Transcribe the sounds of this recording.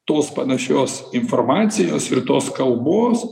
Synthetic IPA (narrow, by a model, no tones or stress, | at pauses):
t̪oːspɐnɐʃʲoːsɪnformɑːt̪sʲɪjoːsɪɾt̪oːskɐlˠboːs